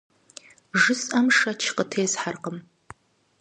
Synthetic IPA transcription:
ʒɨsʼɐmʂɐt͡ʃʰqətʰeːzħarqəm

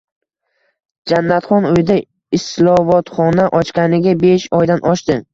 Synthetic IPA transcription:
d͡ʒanːat̪χɒnʊjd̪a | ɪslˠɒvɒt̪χɒnaʔɒt͡ʃkʲanɪɡʲabeʃɒjd̪anʔɒʃt̪ɪ

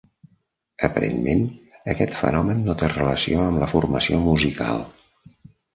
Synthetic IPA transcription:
əpəɾḛnmenəkɛt̪fə̰nɔmənːot̪erələsioəmləfurməsiomuzika̰lˠ

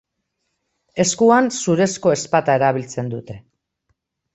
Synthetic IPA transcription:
e̞skuansuɾe̞sko̞e̞spat̪ae̞ɾaβ̞ilt͡se̞nd̪ut̪e̞

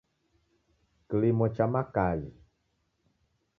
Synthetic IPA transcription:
klemɔ̃t͡ʃamãkajḭ

